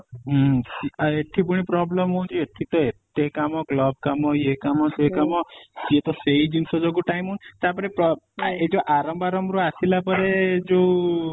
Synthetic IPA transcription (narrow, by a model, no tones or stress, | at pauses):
ɦsiaeʈʰːipuɽ̃ipɾɔbləmɦot͡ʃʰieʈʰit̪ɔet̪ekamɔklɔb̚kamɔjekamɔsekamɔiet̪ɔseid͡ʒimsɔd͡ʒɔɡuʈajmɦunt̪aɾp̬əɾepɾɔ | ed͡ʒoʔaɾɔmbaɾɔmbɾuasilapəɾed͡ʒo